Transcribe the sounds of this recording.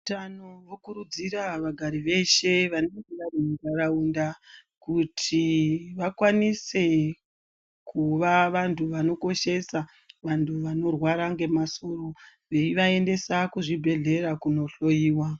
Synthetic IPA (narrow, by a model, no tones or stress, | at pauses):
utanowokuɾud͡ziraʋaɡʱaɾiʋe̞ʃe̞ʋanoŋɡeʋaremɡaɾaunda | kutʰiʋakwanise̞ | kʰuʋaʋantʰuʋano̞ko̞ʃe̞sa | ʋantʰuʋano̞rwaɾaŋɡe̞maso̞ro̞ | ʋe̞iʋae̞nde̞sakuʐibʱe̞ɮe̞ɾakuno̞ɬo̞jiːwa